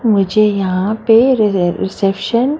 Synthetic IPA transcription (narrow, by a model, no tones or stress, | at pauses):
mʊd͡ʒʱejɐɦãpeɾɾɪsepʃən